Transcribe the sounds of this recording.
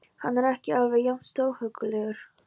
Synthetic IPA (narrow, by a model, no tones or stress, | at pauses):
hanːɛɾɛhcɪaːvɪðjamst̪oːwhœkʏlɛːɣʏɾ̥